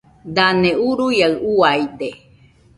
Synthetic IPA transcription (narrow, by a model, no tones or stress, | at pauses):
d̪aneuɾujauaid̪e